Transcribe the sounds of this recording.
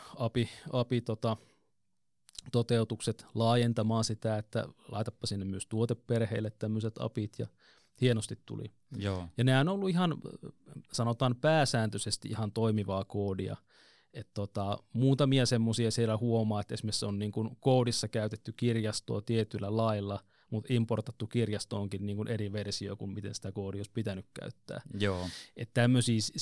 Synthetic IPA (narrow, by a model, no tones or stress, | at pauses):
ɑpiɑpit̪ot̪ɑ | t̪ot̪eut̪ukset̪lɑːjent̪ɑmɑːnsit̪æet̪ːæ̰lɑ̰it̪ɑpːɑsinːemmyøst̪uot̪epperheilːet̪t̪æmːøset̪ɑ̰pit̪jɑ̰ | hienost̪it̪t̪ṵlḭ | jɑneæonolːuihɑn | sɑnot̪ɑːnpæːsæːnt̪øsest̪iihɑnt̪oimiʋɑːkoːdiɑ̰ | et̪t̪ot̪ɑmuːt̪ɑmiɑsemːosiɑsielːæhuomɑːet̪esmesonniːŋkunkoːdisːɑkæyt̪et̪ːykirjɑst̪o̰ːt̪iet̪ylːælɑilːɑ | mut̪import̪ɑt̪ːukirjɑst̪oːŋkinniːŋkunʔeriʋersio̰ːkummit̪ḛnsi̥t̪ækoːdioˑispit̪ænykkæ̰yt̪ːæ̰ːjoːet̪t̪æmːøsiːs